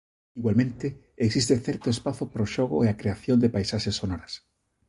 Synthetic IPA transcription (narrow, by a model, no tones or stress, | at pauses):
iɣwalmẽnt̪e | eksist̪eθɛɾt̪oespaθʊpaɾoʃoɣo̰eakɾeaθjond̪epajsaʃesːonoɾas